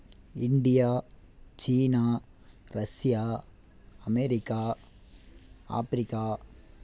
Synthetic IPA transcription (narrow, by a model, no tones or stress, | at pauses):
ɪɳɖɪjaː | t͡ʃiːnaːɾɐsɪjaː | ɐmɛɾɪkːaː | a̰ːfɪɾɪkːaː